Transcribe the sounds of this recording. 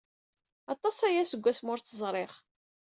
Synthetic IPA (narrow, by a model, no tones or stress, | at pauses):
ɑt̪ˤɑsæjæsəɡʷːæsmʊɾt͡sːəzˤɾˤeχ